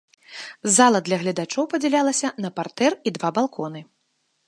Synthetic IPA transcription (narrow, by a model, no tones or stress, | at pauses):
zalˠɐd̪lʲɐɣlʲɐd̪at͡ʂɔwpɐd͡zʲɛlʲalˠɐsʲɐnɐpart̪ɛrid̪vabalˠkʰɔnɨ